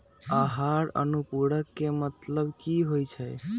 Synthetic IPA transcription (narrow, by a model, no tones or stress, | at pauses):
aɦaɾə̰nupuɽəkːemət̪ləbkiɦojt͡ʃʰɛj